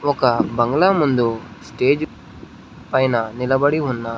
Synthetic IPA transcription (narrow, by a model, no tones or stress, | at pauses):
ɔkɐbɐŋɡɭamund̪usʈe̞ːd͡ʒ | pɐjnɐnilɐbɐɽiunːɐ